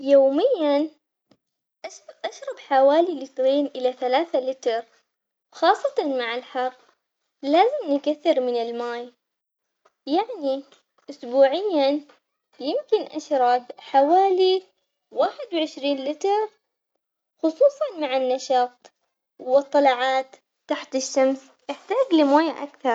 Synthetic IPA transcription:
joːmɪjːan | ʔʔaʃɾˤɑbħawaːlilɪt̪ɾiːnʔɪlaθalaːθalɪt̪ɾ | wxɑːsˤːɑt̪ɑnmaʕɪlħɑrˤː | laːzɪmnɪkaθːɪɾmɪnɪlmaːj | jaʕni | ʔʊsbuːʕɪjːa | jɪmkɪnʔa̰ʃɾˤɑbħawaːli | waːħɪd̪wʕɪʃɾiːnlɪt̪ɑɾ | xʊsˤuːsˤɑnmaʕɪnːaʃɑːt̪ˤ | wɨt̪ˤːɑlɑʕaːt̪ | t̪ːaħt̪ɪʃːams | jɪħt̪aːɡlɪmoːjaʔa̰kθɑɾˤ

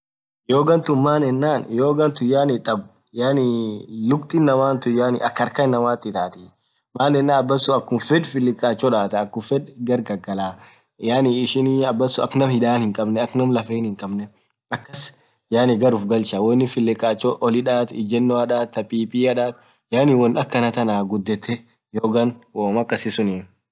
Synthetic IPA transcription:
joːɡɐnt̪ʊmaːnɛnːaːnjoːɡɐnt̪ʊjaːnɪt̪ʼɐb | jaːnilʊkt̪ʼɪnːɐmaːnt̪ʊjaːnɪ̰ʔɐkːɐɾkɐnːɐmaːt̪ːɪt̪aːt̪ɪ | maːnɛnːaːɐbːɐsːʊɐkːʊmfɛᶑfɪlːɪkʼːaːt͡ʃːɔᶑaːt̪ɐɐkːʊfɛᶑɡɐɾɡɐɡɐlaː | jaːniɪʃɪniɐbːɐsːʊɐkːnɐmhɪᶑaːnhɪŋkʼɐbnɛɐknɐmlɐfeːnhɪŋkʼɐbnɛ | ɐkːɐs | jaːnɪɡɐɾʊfɡɐlt͡ʃawɔnːɪfɪlːɪkʼːaːt͡ʃːɔʔɔlɪᶑaːt̪ɪd͡ʒɛnːoɐᶑaːt̪ːɐpʼiːpʼiːɐᶑaːt̪ | jaːniwɔnᶑɐkːɐnɐt̪ɐnaːɡʊd̪ːɛt̪ʰːɛ | joːɡɐnwoːmɐkːɐsɪsʊni

